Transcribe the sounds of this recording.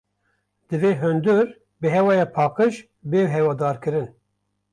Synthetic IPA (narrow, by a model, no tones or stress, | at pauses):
d̪̥ɨveːɦønd̪uɾ | bɨɦɛwɑːjɑːpʰɑːqɨʒ | beːɦɛwɑːd̪ɑːɾkɨɾɨn